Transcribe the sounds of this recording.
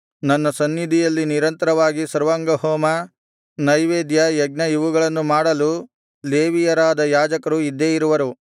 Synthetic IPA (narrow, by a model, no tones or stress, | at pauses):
nɐnːɐsɐnːid̪ʱijɐlːiniɾɐnt̪ɐɾɐʋaːɡisɐɾʋɐŋɡɐɦɔːmɐ | nɐjʋeːd̪jɐjɐɡnɐiʋuɡɐɭɐnːumaːɽɐlu | leːʋijɐɾaːd̪ɐjaːd͡ʒɐkɐɾuid̪ːeːjiɾuʋɐɾu